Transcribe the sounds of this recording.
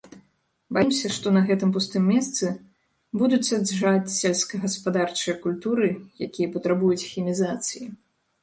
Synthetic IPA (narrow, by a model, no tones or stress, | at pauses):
bajimsʲɐʂt̪ɔnɐɣɛt̪ɨmpust̪ɨmʲːɛst̪sɨ | bud̪ut͡sʲsadʐat͡sʲsʲɛlʲskɐɣɐspad̪art͡ʂɨjɐkulʲt̪uɾɨjakʲijɐpɐt̪ɾabujut͡sʲxʲimʲizat̪sɨji